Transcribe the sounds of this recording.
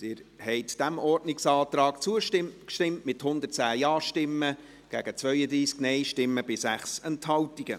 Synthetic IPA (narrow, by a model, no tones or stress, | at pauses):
sɪːɾhɛɪtd̥æmɔrdnɪksɑːt̪ɾɑːkt͡suəɪkʃtɪmtmɪthʊnd̪ərtt͡sæːjɑːʃtɪmːə | ɡ̥æːɡ̥ət͡svœʏəd̪ɾiːsknɛɪʃtɪmːəbɪsæχsɛnthɑltiɡ̥ə